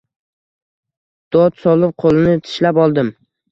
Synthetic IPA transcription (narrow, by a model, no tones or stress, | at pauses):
d̪̥ɒt̪sɒlɪp̚qʰolˠɪnɪt̪ʰɪ̥ʃlapɒlˠd̪ɪm